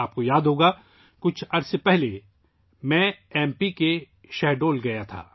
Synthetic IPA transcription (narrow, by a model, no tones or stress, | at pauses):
aːp̚kojaːd̪ɦoːɡa | kʊt͡ʃʰɐɾssepɛɦle | mɛ̃ɛːmpike | ʃɛːɦɖoːlɡɐjat̪ʰa̰ː